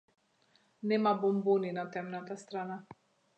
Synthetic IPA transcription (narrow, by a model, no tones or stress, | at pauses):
nemabomboninat̪amnat̪ast̪ɾana